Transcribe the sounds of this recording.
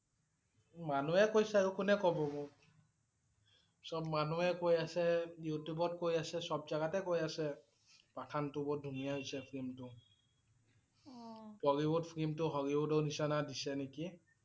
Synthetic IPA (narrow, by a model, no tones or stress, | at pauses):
manuɛkojsɛaɹukunɛkɔbɔmʊ | sɔbmanuɛkojasɛjutjubɔt̚kojasɛsɔbzaɡatɛkojasɛ | pakʰantubɔt̚dʱumijaɦojsɛpʰɹimtʊ | pɔɹibʊtpʰɹimtʊɦɔɹibudɔwnisanadisɛneki